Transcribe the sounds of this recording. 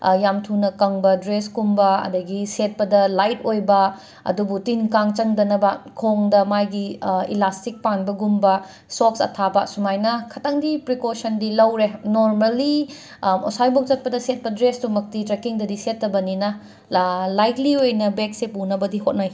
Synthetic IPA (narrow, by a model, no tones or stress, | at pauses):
jamtʰunɐkɐŋbɐdɾesɡumbɐɐ̰dɐɡiset̚pɐdɐlajtojbɐ | ɐ̰dubutinkaŋt͡ʃɐŋdɐnɐbɐkʰoŋdɐmajɡiḭlastik̚panbɐɡumbɐ | sok̚sɐ̰tʰabɐsumajnɐkʰɐtɐŋdipɾikosɐndilɐwɾenoɾmɐlːi | o̰sajbok̚t͡ʃɐt̚pɐdɐset̚pɐdɾesdumɐk̚titɾekiŋdɐdisetːɐbɐninɐ | lajkliojnɐbeksepunɐbɐdiɦot̚naj